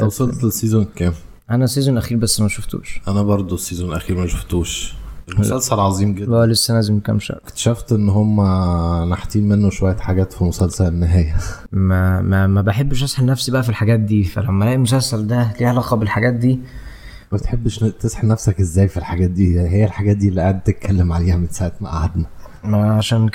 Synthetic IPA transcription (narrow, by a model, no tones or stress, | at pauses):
ʔæwsˤolt̪t̪esiːzonkæːm | ʔænæsːiːzonʔæxiːɾbæsːmæʃoft̪ṵːʃʔænæbɑɾˤd̪ˤosːizonʔæxiːɾmæʃoft̪uːʃʔelmsælsælʕɑzˤiːmɡed̪ʔæːlesːælææːzemkæ̰mʃæ̰kt̪ʃæft̪ʔenːɦomːæneħt̪ˤiːnmenːoʃowæjːæħaɡæːt̪filmosælsæenːeɦæːjæmæmæmæbeħebːeʃʔæsˤħelnæfsibæʔæfilħaɡæːt̪̚d̪iːfæ̰læmːælæːʔimos̬ælsæld̪æliːhælɑqɑbelħaɡæːt̪̚d̪iː | mæbet̪ħebːʃt̪esħenæfsækʔezːæːjfilħaɡæːt̪̚d̪iːjaʕniɦejːælħaɡæːt̪̚d̪iʔelːiʔaʕed̪̚t̪et̪̚kʰælːemʕaleːhæmensaʕet̪maʔa̰ʕad̪næ | mæʕaʃæːn